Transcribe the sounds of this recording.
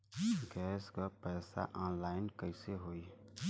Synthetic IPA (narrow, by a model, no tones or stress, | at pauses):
ɡɛːskapɛːsa̰ʔɔ̃ːnlaːɪnkəɪseɦoːi